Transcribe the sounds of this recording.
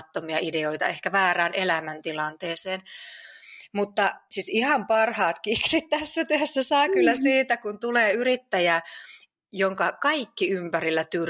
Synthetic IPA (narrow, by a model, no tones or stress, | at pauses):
t̪ːomiɑʔideoit̪ɑ̰ehkæʋæːræːnelæmænt̪ilɑnt̪eːseːn | mut̪ːɑsisihɑmpɑrhɑːt̪kiksit̪t̪æsːæt̪yæsːæsɑːkylːæsiːt̪ækunt̪uleːyrit̪ːæjæ | joŋkɑkɑikːiympærilːæt̪yr